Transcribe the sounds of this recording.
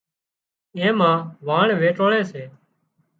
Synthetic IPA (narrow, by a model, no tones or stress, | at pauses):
ẽːmãːʋaːɳʋeːʈoːɭẽːseː